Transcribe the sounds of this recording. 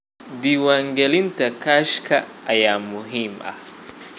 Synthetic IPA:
diwaŋɡɛlintakaʃkaːjamuɦima̰

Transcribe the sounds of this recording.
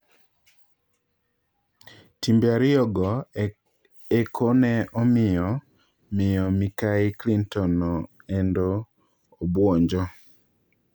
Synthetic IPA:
timbjaɾɪɔɡɔ | ekʰonɛɔmɪjɔ | mɪjɔmikaɪklintɔnɔ | ɛndoː | bwɔɲd͡ʒɔ

